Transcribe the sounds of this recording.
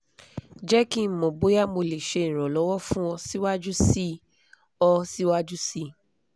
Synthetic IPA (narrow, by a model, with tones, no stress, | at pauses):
d͡ʒɛ˦kĩ˦˨mɔ̃˨bo˨˦ja˦mo˧le˨ʃe˧˨ĩ˨ɾ̃ɔ̃˨lɔ˨˦wɔ˦fũ˦ɔ̃˧si˦wa˦d͡ʒu˦si˦ | ɔ˧si˦wa˦d͡ʒu˦si˦